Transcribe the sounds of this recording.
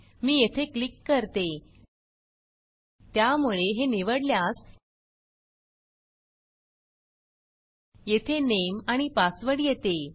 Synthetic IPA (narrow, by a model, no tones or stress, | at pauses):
miːjet̪ʰeklikːəɾt̪e | t̪jamuɭeɦeniʋəɽljas | jet̪ʰenemaɽ̃ipasʋəɽijet̪e